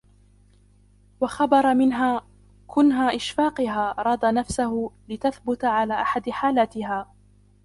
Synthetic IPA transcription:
wɑxɑbɑɾˤɑmɪnɦaː | kʰʊnɦaːʔɪʃfɑːqɪɦaːɾˤɑd̪ˤɑnafsahʊlɪt̪aθbʊt̪aʕalaːʔaħad̪ħaːlaːt̪ɪhaː

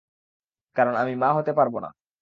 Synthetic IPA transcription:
kaɾonamimaɦot̪epaɾbona̰

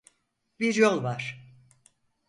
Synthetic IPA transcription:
biɾjolˠvaɾ̥

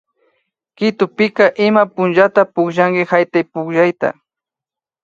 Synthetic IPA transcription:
kɪt̪ʊpɪkaʔɪmapʊnʒat̪apʊkʒaŋkɪhajt̪ajpʊkʒajt̪a̰

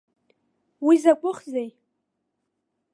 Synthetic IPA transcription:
wizakʷʼʊχzej

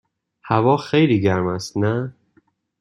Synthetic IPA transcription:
hævɒːxejliːɟæɾmæst̪næ

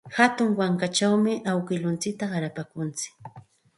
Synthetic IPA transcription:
hat̪ʊŋwaŋkat͡ʃawmɪʔawkɪlʊnt͡sɪk̚t̪aɢɑɾapakʊnt͡sɪ̥k

